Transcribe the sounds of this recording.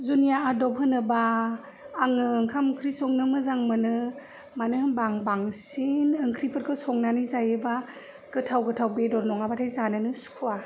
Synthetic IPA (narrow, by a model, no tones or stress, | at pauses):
zunijaadɔpʰhɯnɯbaː | ŋɯːŋkʰamkʰɾisɔŋnɯmɯzaŋmɯnɯ | manɯhbaŋbaŋsinɯŋkʰɾipʰɯɾkʰɯsɔŋnanizajɯba | ɡ̥ɯtʰawɡɯtʰawbedɔɾnɔŋabatʰajzanɯnɯsu̥kʰua